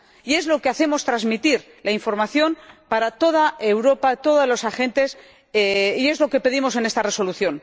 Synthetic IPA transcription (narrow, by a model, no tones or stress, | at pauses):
ie̞zlo̞keaθe̞mo̞st̪ɾazmit̪iɾ | laiɱfo̞ɾmaθjo̞npaɾat̪o̞ð̞ae̞wɾo̞pat̪o̞ðolo̞saxe̞nt̪e̞s | ie̞zlo̞ke̞pe̞ðimo̞s̬e̞ne̞st̪are̞so̞luθjo̞n